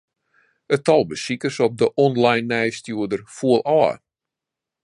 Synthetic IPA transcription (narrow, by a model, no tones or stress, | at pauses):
ətɔlˠbəsikərsɔp̚dəʔɔnlajnːɛjstjuədərfuəlˠɔə̰